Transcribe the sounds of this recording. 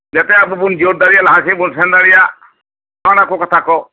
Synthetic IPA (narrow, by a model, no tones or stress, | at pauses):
d͡ʒɛt̪ɛabubund͡ʒoɾ̚d̪aɽijalaɦasibunsɛnd̪aɽija | anakokɐt̪ʰakɔ